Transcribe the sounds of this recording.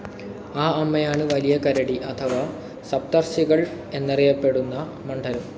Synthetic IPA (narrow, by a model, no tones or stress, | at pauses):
aːɐmːɐjaːɳɨʋɐlijɐkɐɾɐɽiʔɐt̪ʰɐʋaː | sɐp̚t̪ɐrɕiɣɐɭ | e̞nːirijɐpːe̞ɽunːɐ | mɐɳɖʰʱɐɾɐm